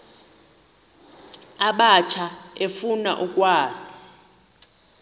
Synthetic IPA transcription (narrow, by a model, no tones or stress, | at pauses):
aɓat͡ʃʰaefuna̰ʔukʼwaːzii̥